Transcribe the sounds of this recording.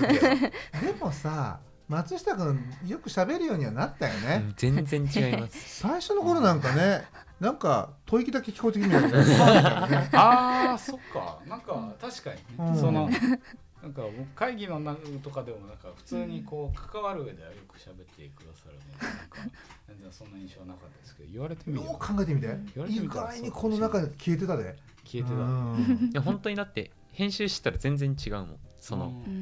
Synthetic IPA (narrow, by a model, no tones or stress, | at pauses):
d̪e̞mo̞sa | mat͡sɨɕi̥t̪akɯjo̞kɯ̟ɕabe̞ɾɯ̟jo̞ːɲ̟iβanat̪ːajo̞ne̞zẽ̞nd͡zẽ̞ɲ̟t͡ɕiɡaimmassaiɕo̞noko̞ɾo̞nãŋkane̞ | nãŋka̰t̪ʰo̞ikʲid̪ake̞kʲi̥kot̪ekʲiɲiaɾaaajoneaso̞kːa̰nãŋkat̪aɕi̥kaɲiɯ̃ːsono̞ | nãŋkabokɯ̥kaiɡʲino̞nat̪o̞kad̪e̞monãŋkaɸɯ̟̥t͡sɨːɲ̟iko̞ːkʰḁkaβaɾɯ̟ɯe̞d̪e̞βajo̞kɯ̟̥ɕabe̞t̪ːe̞̰kɯ̟d̪asaɾɯ̟nokad͡zẽ̞nzẽ̞ɰ̃sõ̞nːaĩɰ̃ɕo̞ːanakat̪ːad̪eske̞d̪o̰iβaɾet̪ed̪oːkʰãŋɡae̞t̪emit̪aiiɡaiɲ̟ikʰo̞no̞nakaɲkʲie̞t̪̬e̞t̪ad̪e | kʲʰieet̪ajaɦõ̞nt̪o̞ɲ̟id̪at̪ːe̞ | hẽ̞ɰ̃ɕɨːɕi̥t̪e̥t̪ːaɾazẽ̞nd͡zẽ̞ɲt͡ɕiɡaɯ̟mõ̞̰nso̞no̰